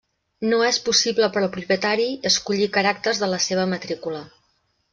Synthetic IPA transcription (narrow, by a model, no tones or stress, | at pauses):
noɛspusibləpəɾəlˠpɾupjət̪aɾiəskuʎikəɾak̚t̪ərzðələseβ̞əmət̪ɾikulə